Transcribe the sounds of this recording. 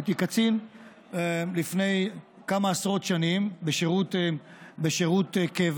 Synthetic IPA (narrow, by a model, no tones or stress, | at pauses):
t̪ikat͡sin | lifne̞j | kamaːsʁo̞t̪ʃanimbeʃeʁut̪beʃeʁut̪kev